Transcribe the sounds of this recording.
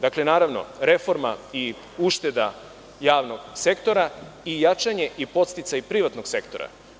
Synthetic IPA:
d̪akle̞naːɾaʋno̞̰ɾe̞fo̞ɾma̰i | uʃt̪e̞d̪a | jaːʋno̞ɡ̥se̞kt̪o̞ɾaijat͡ʃaɲe̞ʔipo̞t̪st̪it̪sajipɾiʋat̪no̞ɡse̞kt̪o̞ɾa̰

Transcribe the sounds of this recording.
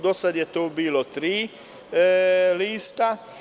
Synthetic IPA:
d̪ɔsaɟɛt̪ubilɔt̪ɾi | liːst̪a

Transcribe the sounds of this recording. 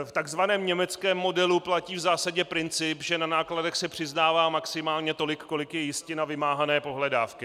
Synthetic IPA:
ft̪aɡzvanɛːmɲɛmɛt͡skɛːmːo̞dɛluplaciːvzaːsaɟɛpɾɪnt͡sɪpʒɛnanaːkladɛxsɛpr̝̥ɪznaːvaːmaksɪmaːlɲɛt̪o̞lɪkːo̞lɪkjɛjɪscɪnavɪmaːɦanɛːpo̞ɦlɛdaːfkɪ

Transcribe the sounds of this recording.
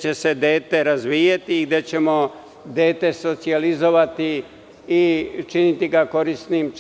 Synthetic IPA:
t͡ɕe̞se̞d̪eːt̪e̞ɾazʋiːjat̪iːɡd̪e̞t͡ɕe̞mo̞ | d̪eːt̪e̞so̞t̪sializo̞ʋat̪iː | t͡ʃinit̪iɡako̞ɾisnim

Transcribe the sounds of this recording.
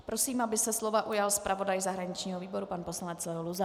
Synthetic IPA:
pɾo̞siːmabɪsɛslo̞vaʔujalspɾʔavo̞dajzaɦɾaɲɪt͡ʃɲiːɦoviːbo̞ɾupanposlanɛt͡slɛluza

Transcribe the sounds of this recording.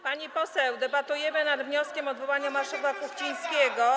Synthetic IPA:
paɲipɔsɛwd̪ɛbat̪ujɛmɘnad̪vɲɔskʲɛmɔd̪vɔwaɲamaʂɛvwakuxt͡ɕij̃skʲɛɡɔ

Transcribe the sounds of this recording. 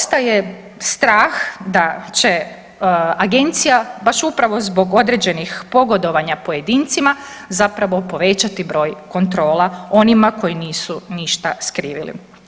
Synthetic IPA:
st̪aje | st̪ɾaːxd̪at͡ɕe̞ | aɡe̞nt̪sijabaʃupɾaʋo̞zbo̞ɡo̞d̪ɾe̞d͡ʑe̞nixpo̞ɡo̞d̪o̞ʋaɲapoje̞d̪iːnt̪sima | zapɾaʋo̞po̞ʋe̞t͡ɕat̪ibɾo̞ːjko̞nt̪ɾo̞ːlˠao̞nimako̞jiniːsuniʃt̪askɾiːʋḭlḭ

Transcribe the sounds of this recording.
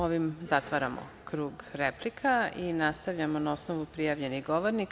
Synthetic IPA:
oʋimzat̪ʋaɾamo̰ | kɾuːɡɾeplikʰainast̪aʋʎamonao̞snoʋupɾijaːʋʎe̞niɣɡoʋoɾnik

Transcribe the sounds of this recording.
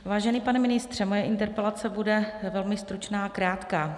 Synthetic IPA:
vaːʒɛniːpanɛmɪnɪst̪r̝̥ɛmojɛʔɪnt̪ɛɾpɛlat͡sɛbudɛvɛlmɪst̪ɾut͡ʃnaːakɾaːt̪kaː

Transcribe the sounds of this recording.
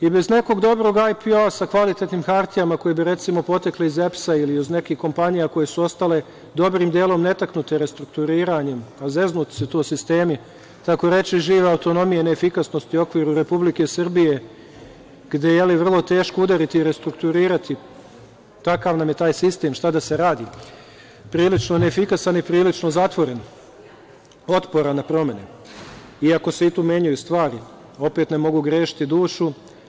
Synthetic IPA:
ibe̞zne̞ko̞ɡd̪o̞bɾo̞ːɡajpiasakʋalit̪et̪niːmxaɾt̪ijamako̞jebiɾe̞t̪simo̞po̞t̪ekleizepsailiuzne̞kiːhko̞mpaɲijako̞je̞suo̞st̪ale̞ | d̪o̞bɾiːmd̪je̞ːlˠo̞mne̞t̪aknut̪e̞ɾe̞st̪ɾukt̪uɾiːɾaɲe̞maze̞znut̪i̥set̪oːsist̪e̞ːmi | k̪ako̞ɾe̞t͡ʃiʒiːʋeauwt̪o̞no̞mijeneːfikasno̞st̪io̞kʋiːɾuɾe̞publike̞sr̩bije̞ | ɡ̥d̪ejeliʋr̩lˠo̞t̪e̞ːʃkoud̪aɾit̪iɾe̞st̪ɾukt̪uɾiːɾat̪i | t̪akaʋnamje̞t̪aːjsist̪e̞ːmʃt̪ad̪ase̞ɾaːd̪i | pɾiːlit͡ʃnoneefikasanipɾiːlit͡ʃno̞zat̪ʋo̞ɾe̞n | o̞t̪po̞ɾanapɾo̞me̞nḛ | iako̞seit̪uːmje̞ɲujust̪ʋaːɾi | o̞pe̞ːt̪ne̞mo̞ɡuɡɾe̞ːʃi̥t̪id̪uːʃu

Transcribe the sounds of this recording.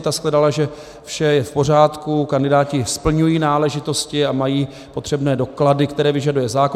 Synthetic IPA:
t̪asklɛdalaʒɛ | fʃɛjɛfpo̞r̝aːt̪kukandɪdaːcɪspl̩ɲujiːnaːlɛʒɪt̪o̞scɪamajiː | po̞t̪r̝̥ɛbnɛːdo̞kladɪkt̪ɛɾɛːvɪʒadujɛzaːko

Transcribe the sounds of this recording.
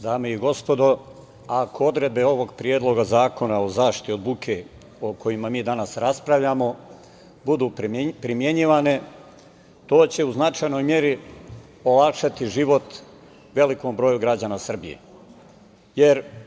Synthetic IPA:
d̪aːmeiɡo̞spo̞d̪o̞ | akʰo̞o̞d̪ɾe̞d̪̚be̞o̞ʋo̞ɡpɾijeːd̪lˠo̞ɡazaːko̞naozaːʃtt̪iod̪bukʰe | okʰo̞jimamiːd̪anasɾaspɾaʋʎamo̞ | bud̪uːpɾimje̞ɲiʋane̞ | t̪o̞ːt͡ɕe̞uznat͡ʃajno̞jmje̞ɾi | o̞lakʃat̪iʒiʋo̞t̪ | ʋe̞liko̞mbɾo̞juɡɾad͡ʑaːnasr̩bijḛ | je̞ɾ

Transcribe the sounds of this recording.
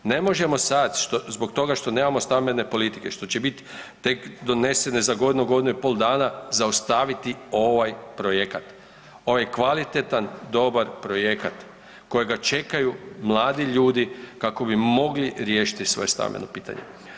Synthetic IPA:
ne̞mo̞ʒe̞mo̞sad̪ʃt̪ozbo̞k̚t̪o̞ɡaʃt̪o̞ne̞ːmamo̞st̪amene̞po̞lit̪i̥ke̞ʃt̪o̞t͡ɕebit̪t̪e̞kd̪o̞ne̞se̞nezaɡo̞d̪inuɡo̞d̪inuipo̞lˠd̪aːnazaost̪aʋit̪io̞ʋajpɾo̞je̞kat̪ | o̞ʋajkʋalit̪et̪and̪o̞baɾpɾo̞je̞kat̪ | ko̞jeɡat͡ʃe̞kajumlˠaːd̪iʎuːd̪ikako̞bimo̞ɡliɾjeːʃi̥t̪isʋo̞̰je̞st̪a̰nmḛnopiːt̪a̰ɲḛ

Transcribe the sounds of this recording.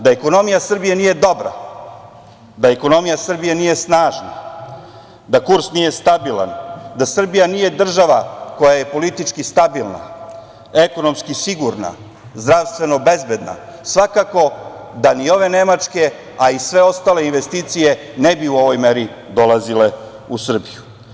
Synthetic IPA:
d̪aeko̞no̞mijasr̩bije̞nije̞d̪o̞bɾa̰ | d̪aeko̞no̞mijasr̩bije̞nije̞snaːʒna̰ | d̪akuɾsnije̞st̪abilˠa̰nd̪asr̩bijanije̞d̪r̩ʒaʋako̞jaje̞po̞lit̪it͡ʂkist̪abilˠna̰ | eko̞no̞mskisiɡuɾna̰ | zd̪ɾaʋst̪ʋe̞no̞be̞zbe̞d̪na̰ | sʋakako̞d̪anio̞ʋe̞ne̞mat͡ʂke̞ | aisʋe̞o̞st̪aːle̞inʋe̞st̪iːt̪sije̞ | nebiuo̞ʋo̞jmeɾi | d̪o̞lˠazile̞ | usr̩biju

